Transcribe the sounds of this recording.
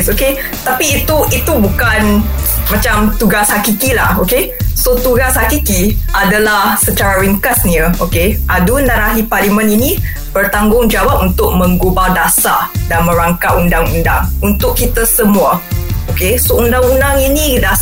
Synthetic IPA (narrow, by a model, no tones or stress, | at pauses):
soke | t̪apiːt̪uit̪ubukanmãt͡ʃamt̪uɡashakikila̰hokesot̪uɡashakikiadalahsət͡ʃaɾaɾiŋkasniəokeʔadundaɾaɦipalimə̃nini | bərt̪aŋɡʊŋd͡ʒawap̚unt̪ʊk̚mə̃ŋɡubadasadanmə̃ɾaŋkaundaŋundaŋunt̪ʊkkːit̪əsəmũaokesoundaŋundaŋinida